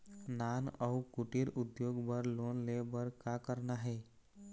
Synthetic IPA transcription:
naːnəukuʈiɾʊd̪joɡbəɾlonlebəɾkakəɾnaɦɛ

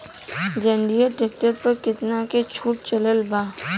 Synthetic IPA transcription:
d͡ʒɐ̃ɳɖijəʈɪk̚ʈəɾpɐɾkɪt̪naket͡ʃʰuːʈ̚t͡ʃɐləlbaː

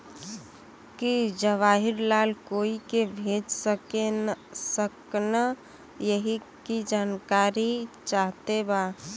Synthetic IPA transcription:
kid͡ʒəʋaːɦiɾlaːlkoːikebʱeːd͡ʒsəkensəkna | jəɦi | kid͡ʒaːnkaɾit͡ʃaɦt̪ebaː

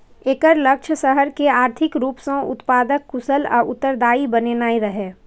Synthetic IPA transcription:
eːkəɾləkt͡ʃʰəsəɦəɾkeaːɾt̪ʰɪkɾuːpsõʊ̰t̪paːd̪əkːʊsəlɔ̰ːʔʊt̪ːəɾd̪aːibənenaːiɾəɦeː

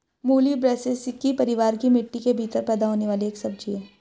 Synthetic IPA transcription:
muːlibɾɛːsesɪkːipɐɾɪʋaːɾkimɪʈːikebʱiːt̪əɾpɛːd̪aɦoːneʋaːlieːksɐb̚d͡ʒieː

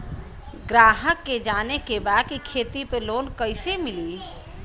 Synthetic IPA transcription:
ɡɾaːɦəkːed͡ʒanekebad̪̚kikʰet̪ipelonkəɪsemili

